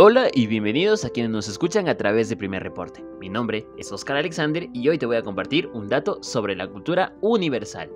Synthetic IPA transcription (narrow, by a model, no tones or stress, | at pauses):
o̞laʔiβje̞mbe̞nið̞o̞sakjenezno̞se̞skut͡ʃaŋat̪ɾaβ̞e̞zðepɾime̞̰repo̞̰ɾt̪eminõmbɾe̞eso̞skaɾaleksand̪eɾio̞jt̪e̞βo̞jako̞mpaɾt̪iɾund̪at̪o̞so̞β̞ɾe̞lakult̪uɾauniβ̞e̞ɾsa̰l